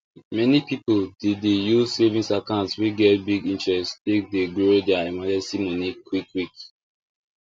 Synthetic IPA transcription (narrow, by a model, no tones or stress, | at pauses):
mɛnipipoldedejuzsevĩsakãʊ̃ntswiɡɛtbiɡĩnt͡ʃɹɛstek̚deɡɹodɛaimad͡ʒɛ̃simɔnikʰwikwik